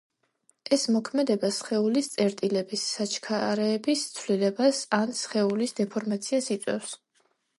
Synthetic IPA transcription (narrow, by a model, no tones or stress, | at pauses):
ɛsmɔkʰmɛd̪ɛbasχɛulist̪sʼɛɾt̪ʼilɛbisːat͡ʃʰkʰaɾɛːbist̪sʰvlilɛbasansχɛulisd̪ɛpʰɔɾmat̪sʰiasit̪sʼwɛ̰ws